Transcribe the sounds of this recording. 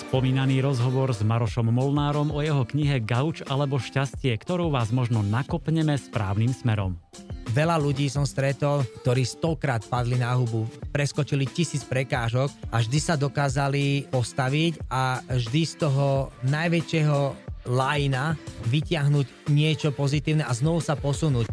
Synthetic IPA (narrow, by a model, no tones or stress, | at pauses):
spɔmiːnaniːɾɔzɦɔʋɔɾzmaɾɔʃɔmːɔlnaːɾɔmɔjɛɦɔkɲiɦɛɡaut͡ʃalɛbɔʃcascɪɛkt̪ɔɾuʊʋaːzmɔʒnɔnakɔpɲɛmɛspɾaːʊniːmsmɛɾɔ̰m | ʋɛlaluɟiːsɔmst̪ɾɛt̪ɔlk̚t̪ɔɾiːst̪ɔkɾaːt̪̚pad̪linaɦubupɾɛskɔt͡ʃilicisiːt͡spɾɛkaːʒɔkʔaʒd̪isad̪ɔkaːzalipɔst̪aʋicaʒd̪ist̪ɔɦɔnajʋɛt͡ʃɪɛɦɔlajinaʋicɪaɦnuɟ | ɲɪɛt͡ʃɔpɔzit̪iːʊnɛʔaznɔʋusapɔsunuːc